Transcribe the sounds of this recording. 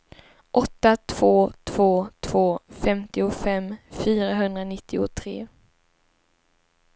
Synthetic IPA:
ʔɔt̪ːat̪ʰv̥oːt̪ʰv̥oːt̪ʰv̥oːfɛmt̪ɪʊfɛmːfyːɾaɦɵnd̪ɾanɪt̪ːɪʊt̪ʰɾḛː

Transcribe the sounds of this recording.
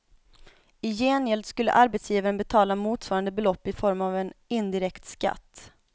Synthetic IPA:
ɪjeːnjɛld̪skɵlːə̰ʔaɾbɛt̪sjiːvaɾənbɛt̪ʰɑːlamuːt̪svɑːɾand̪əbɛlɔpːɪfɔɾmavɛnɪnd̪ɪɾɛkt̪ska̰t̪ː

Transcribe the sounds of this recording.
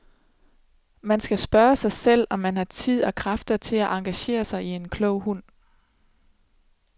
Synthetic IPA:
mænsɡ̥æsb̥ɶːɐsɑ̈ɪsel̰ɒ̽mːænhɑ̈t͡sʰið̰ˠɒkʰʁɑfd̥ɐt͡sʰe̝læʔɑ̈ŋɡ̥æɕe̝̰ːɐsɑ̈ɪie̝nkʰlɔʊ̰ɦun̰

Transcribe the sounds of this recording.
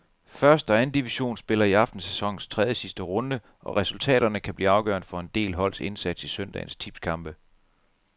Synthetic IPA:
fɶɐsd̥æend̥iʋiɕo̝̰ːnsb̥e̝lɐiɑ̈fd̥n̩sesɒ̽ŋ̰n̩st͡sʰʁɛð̞ˠjəsisd̥əʁɔ̽nd̥ə | ʔɒ̽ʁɛsult͡sʰɛ̰ːɾ̥ɐnəkʰæb̥liːɑ̈ʊɡ̥ɶɐ̰nfɒ̽e̝nd̥e̝̰ːlɦɒ̽l̰se̝nsæd̥sisøn̰d̥ɛ̰ːɪnst͡sʰib̥skʰɑ̈mb̥ə

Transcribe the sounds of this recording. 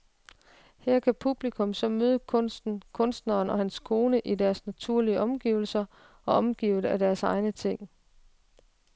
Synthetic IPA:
hæɐ̰kʰæpʰub̥likʰɔ̽msɒ̽møːð̞ˠəkʰɔ̽n̰sd̥n̩kʰɔ̽nsd̥nɐːnɒ̽hænskʰo̝ːnəʔidæɐsnæt͡sʰuɐ̰liəʔɒ̽mɡ̥ḭʊl̩sɐ | ɒ̽ɒ̽mɡ̥iːʊð̩ˠædæɐsɑ̈ɪnət͡sʰe̝ŋ̰

